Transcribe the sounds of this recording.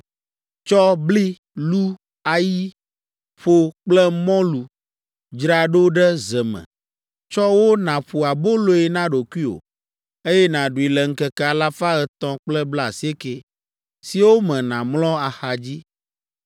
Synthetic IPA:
t͡ʃɔ˦bli˦ | lu˦ | a˨ji˦ | ɸo˦k͡plɛ˦mɔ̃˦lu˨ | d͡ʒɾa˨ɖo˦ɖɛ˦zɛ˨mɛ̰̃˨ | t͡ʃɔ˦wo˦nã˨ɸu˨a˨bo˦lo˦ɛ˨nã˦ɖo˨kʷi˦o̰˨ | e˦jɛ˦nã˨ɖu˨i˨lɛ˨ŋ̩˦kɛ˨kɛ˦˨a˨la˦fa˦ɛ˨t̪ɔ̃˦k͡plɛ˦bla˦˨si˦e˦ke˨ | si˨wo˦mɛ̃˨nã˨mlɔ̃˦a˨xa˨d͡ʑi˦

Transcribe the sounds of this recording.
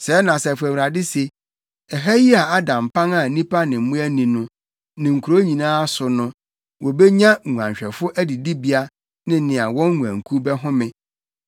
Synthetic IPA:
sɛ˨˦nã˨sɛ˨fʊ˨æ˨wu˨ɾa˨dɪ˦se˨ | ɛ˨ɦa˦ji˦a˨a˦dã˨m˨pʰã˦ŋa˨nĩ˦pʰa˦nɪ̃˨m̩˨mũ˦æ˦nĩ˨nʊ̃˨ | nɪ̃˨ŋ̩˨kʰu˨ɾo˦ɲĩ˨nãː˦sʊ˨nʊ̃˦ | wɔ˨bɛ˦ɲã˦˨u˨ã̰˨ɲɕᶣɛ˨fʊ˦ʔæ˦di˨di˦bi˦a˦ | nɪ̃˦nɪ̃˨a˨wɔ̃˦ŋ˦ŋu˨æ̰̃˨ŋ˨kʰu˦bɛ˦ɦʊ̃˦mɪ̃˦

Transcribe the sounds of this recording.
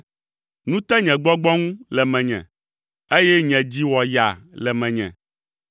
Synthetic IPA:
nũ˦t̪ɛ˦ɲɛ̃˨ɡ͡bɔ˦ɡ͡bɔ˦ŋũ˦lɛ˨mɛ̃˨ɲɛ̰̃˨ | e˦jɛ˦ɲɛ̃˨d͡ʑi˦wɔ˨ja˨lɛ˨mɛ̃˨ɲɛ̰̃˨

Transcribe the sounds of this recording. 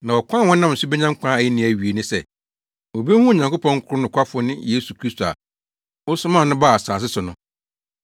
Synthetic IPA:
nã˨wɔ˨kʷʰã˦˨wɔ˦nã˦m˨sʊ˦bɛ˦ɲã˦ŋ̩˦kʰã˦æ˨i˦nɪ̃˨˦˨æ˨ɥi˨e˨nʊ̃˦sɛ˦˨ | o˨be˦hũ˦˨ɲã˨ŋkʊ˦pʰɔ̃˦ŋ̩˦kʰʊ˦ɾʊ˦nʊ̃˨kʰʷa˦fʊ˦nɪ̃˦jeː˦su˨kʰɾi˦stʰo˨a̰˨ | wɔ˦sʊ̃˦mã˦˨nʊ̃˦ba˦˨a˨saː˨s̬ɪ˦sʊ˨nʊ̃˦

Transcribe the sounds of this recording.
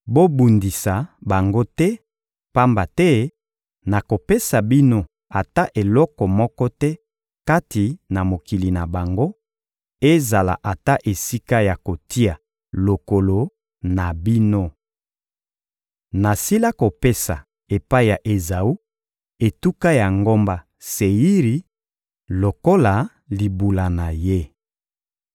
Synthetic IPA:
bo˦bu˨ndi˨sa˨ba˨ŋɡo˦tɛ˦ | pa˦mba˨tɛ˦ | na˨ko˨pe˦sa˨bi˦no˦ | a˨ta˦ʔe˨lɔ˦kɔ˨mɔ˦kɔ˦tɛ˦ | ka˦ti˨na˨mo˨ki˨li˨na˨ba˨ŋɡo˦ | e˦za˨la̰˨ʔa˨ta˦ʔe˨si˦ka˦ja˨ko˨tʰi˦a˨ | lo˨ko˨lo˨ | na˨bi˦no˦ | na˨si˦la˦ko˨pe˦sa̰˨ | e˨pa˦i˨ja˨ʔe˨za˨u˦ | e˨tu˦ka˦ja˨ŋɡo˦mba˦ | se˨ji˦ʁi˨ | lo˨ko˦la˨ | li˨bu˨la˨na˨je˦

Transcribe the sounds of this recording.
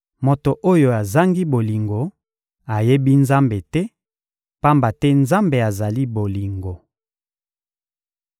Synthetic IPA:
mo˨to˨ʔo˦jo˨a˨za˦ŋɡi˦bo˨li˨ŋɡo˨ | a˨je˦bi˦nza˦mbe˨tɛ˦ | pa˦mba˨tɛ˦nza˦mbe˨a˨za˨li˦bo˨li˨ŋɡo˨

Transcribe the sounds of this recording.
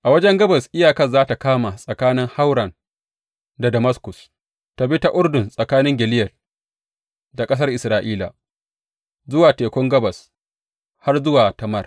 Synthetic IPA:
ʔa˨wɐ˦d͡ʒɛ˦ŋɡɐ˦bɐ˨sʔɪ˦jaː˨kɐ˨rzaː˦ta˨kaː˦ma˨sʼɐ˨kaː˦nɪ˦ŋha˦wɽɐ˨n | da˨dɐ˨mɐ˦skʊ˨s | ta˨bi˦ta˨ʔʊ˦rdʊ˨nsʼɐ˨kaː˦nɪ˦ŋɡʲɪ˨lɪ˦jɐ˨l | da˨kʼɐ˦s̬ɐ˦rʔɪ˨sɾaː˨ʔiː˦la̰˨ | zʊ˦waː˨teː˨kʷɔ˦ŋɡɐ˦bɐ˨s | ha˦rzʊ˦waː˨tɐ˨mɐ˦r

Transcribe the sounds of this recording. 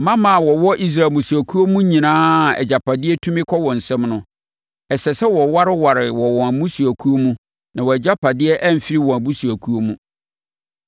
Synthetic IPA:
mã˦mã˨wɔ˨wɔ˦ʔi˦s̬ɾa˨mũ˨su˨æ˨kʰu˦o˦mũ˦ɲĩ˨nãː˦˨ɛ̰˨d͡ʑa˨pʰa˨dɪ˦ɛ˦tʰũ˦mɪ̃˦kʰɔ˦wɔ̃˨n̩˨sɛ̃˦mnʊ̃˦ | ɛ˨sɛ˨sɛ˦wɔ˨wa˦ɾɪ˦wa˨ɾɪ˨wɔ˨wɔ̃˨æ˨mũ˦su˨æ˨kʰu˦o˦mũ˦ | nã˨wɔ˨ɛ˨d͡ʑa˦pʰa˨dɪ˦ɛ˦ʔɛ˦m̩˨fi˦ɾi˦wɔ̃˨æ˨bu˦su˨æ˨kʰu˦o˦mũ˦

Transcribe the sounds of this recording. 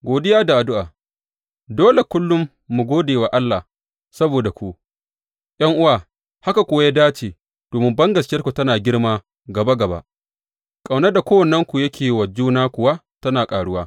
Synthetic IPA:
ɡʷoː˨dɪ˦jaː˦da˨ʔa˨dʊ˦ʔaː˨ | doː˦le˨kʷʊ˦lːʊ˦mː | u˨ɡoː˦deː˨wa˨ʔa˦lːa˨ | sɐ˦boː˨da˨kʷu˦ʔ | j̰ɐ˦ŋʔʊ˦waː˨ | ha˦ka˨kʷʊ˨wa˦ja˦daː˦t͡ʃeː˨ | d̥oː˨mɪ˦mbɐ˦ŋɡɐ˨skʲɪ˦ɐ˦rkʷu˨tɐ˦naː˨ɡʲɪ˦ɽmaː˦ | ɡɐ˨ba˦ɡɐ˨ba̰˦ʔ | kʼa˨wnɐ˦da˨kʷoː˦wɐ˨nːɐ˦ŋkʷu˨jɐ˦kʲʰeː˨wɐ˨d͡ʒuː˦naː˦kʷʊ˨wa˦ | tɐ˦naː˨kʼaː˨ɽʊ˦waː˦

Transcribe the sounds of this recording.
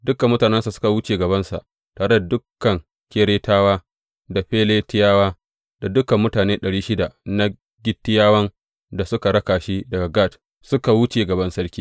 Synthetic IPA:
dʊ˦kɐ˨mːʊ˦taː˨nɛ˦nsa˨sʊ̥˦ka˨wʊ˦t͡ʃeː˨ɡɐ˨βɐ˦nsa̰˨ʔ | taː˨ɾe˦da˨dʊ˦kːɐ˨ŋ | kʲeː˦ɽeː˦taː˦waː˦ | da˨ɸeː˦leː˦tɪ˦jaː˦waː˦ | da˨dʊ˦kɐ˨mːʊ˦taː˨neː˦ɗɐ˨ɽiː˦ʃɪ˦da˨na˦ | ɡʲɪ˦tːɪ˦jaː˦wɐ˦n | da˨sʊ˦ka˨ɽɐ˦kaː˨ʃi˦dɐ˨ɡa˨ɡaː˦˨t | sʊ˦ka˨wʊ˦t͡ʃe˨ɡɐ˨bɐ˦nsɐ˦ɽkʲiː˦

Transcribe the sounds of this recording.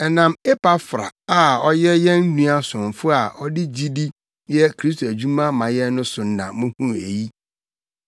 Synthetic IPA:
ɛ˨nã˨me˦pa˦fɾa̰˨a˦˨ɔ˦jɛ˦jɛ̃˦n̩˦nũ˦a˦sʊ̃˨ɱ˨fʊ˦a˨ʔɔ˦dɪ˦d͡ʑi˦di˦ | jɛ˦kʰɾi˦s̬tʰo˨æ˨d͡ʑu˦mã˦mã˨jɛ˦nʊ̃˦sʊ˨n̩˦nã̰˨mʊ̃˦hũ˦e˨ji˦

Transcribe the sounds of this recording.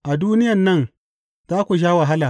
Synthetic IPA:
ʔa˨duː˦nɪ˦jɐ˨nːɐ˦˨n | zaː˦kʷu˨ʃ̬aː˦wa˨ɦa˦laː˨

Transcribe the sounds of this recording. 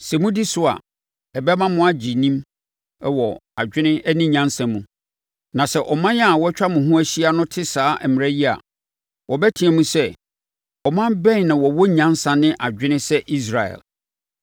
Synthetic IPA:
sɛ˨mũ˦di˦sʊ˦a̰˨ | ɛ˨bɛ˦mã˦mʊ̃˦a˦d͡ʑi˨nĩ˦m | ɛ˦wɔ˨a˨d͡ʑᶣɪ˦nɪ̃˦ɛ˦nɪ̃˦ɲã˦nsã˨mũ˨ | nã˨sɛ˨ʔɔ˨mã˦jɛ˦a˨wɔ˦t͡ɕᶣa˦mʊ̃˨ɦũ˦æ˦ɕi˦a˦nʊ̃˦tʰɪ˦saː˨˦ʔmɪ̃˨æ˦ji˦a̰˨ | wɔ˨bɛ˦tʰĩ˨æ˨mũ˦sɛ˦ | ɔ˨mã˦bɛ̃˦n˨nã˨wɔ˨wɔ˦ɲã˦nsã˨nɪ̃˦ʔa˨d͡ʑᶣɪ˦nɪ̃˦sɛ˦ʔi˦s̬ɾa˨ɛ̰˨l

